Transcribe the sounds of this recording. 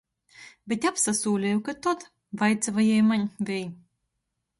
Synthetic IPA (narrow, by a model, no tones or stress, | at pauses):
bʲet̪ʲapsasuːlʲɛjukat̪ɔt̪ | vajt̪savajɛjmanʲvʲɛj